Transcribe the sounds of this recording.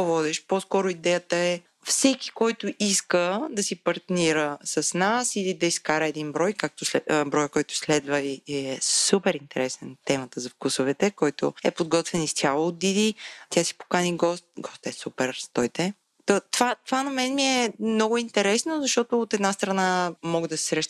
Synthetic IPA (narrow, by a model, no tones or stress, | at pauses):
vɔd̪ɛʃpɔskɔɾʊid̪ɛjət̪əɛ | fsɛk̟i̥kɔjt̪ʊʔiskəd̪ɐsipɐɾt̪niɾəsɐsnasilid̪ɐiskaɾəɛd̪inbɾɔjkak̚t̪oslɛbɾɔjəkɔjt̪ʊ̥slɛd̪vəviɛsupɛɾint̪ɛɾɛsnənt̪ɛmət̪əzɐfkusʊvɛt̪ɛkɔjt̪ʊ̰ɛ̰pod̪ɡɔt̪vɛnist̪ʲjalˠoːd̪id̪it̪ʲjasi̥po̥kaniɡɔst̪̚ɡɔst̪ɛsupɛɾst̪ɔjt̪ɛ | t̪ɔt̪ovat̪ovanɐmɛnmiɛmnɔɡʊint̪ɛɾɛsnozɐʃt̪ɔt̪ʊːt̪ɛd̪nast̪ɾɐnamɔɡəd̪ɐsɛ̥sɾɛʃt̪